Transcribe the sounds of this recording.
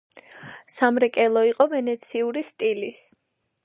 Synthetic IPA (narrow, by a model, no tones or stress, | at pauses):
samɾɛkʼɛlˠɔiqʼɔvɛnɛt̪sʰiuɾist̪ʼilis